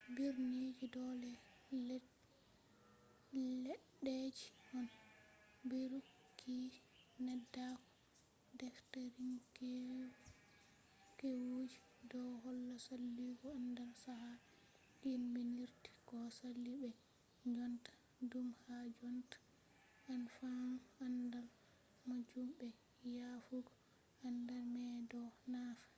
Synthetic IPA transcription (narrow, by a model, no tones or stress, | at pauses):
biɾnid͡ʒidɔlɛ | lɛ | lɛɗːed͡ʒimɔn | biɾu | kʰːi | nɛdːakɔ̥ | dɛftaɾiŋkɛ | kɛwod͡ʒi | dɔɦɔlːasalːiɡɔandalsaɦa | inbɛniɾti̥kɔsalːibɛ | d͡ʒɔntḁ | dumhad͡ʒɔntḁ | anfanandal | mad͡ʒumbɛ | jafuɡɔ | andalmɛdɔnafḁ